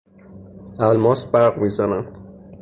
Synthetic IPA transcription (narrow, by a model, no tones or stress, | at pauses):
ælmɒːsbæɾʁmiːzænæn